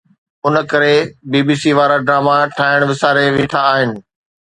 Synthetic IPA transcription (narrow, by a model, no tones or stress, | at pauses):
ʊnə̆kɐɾebiːbiːsiːʋaːɾaɖɾaːmaʈʰaːɪɽ̃ʋɪsaːɾeʋẽːʈʰaːɦɪnɪ̆